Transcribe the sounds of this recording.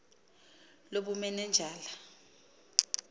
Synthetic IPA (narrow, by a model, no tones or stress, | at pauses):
loɓumɛnɛnd͡ʒʱaːla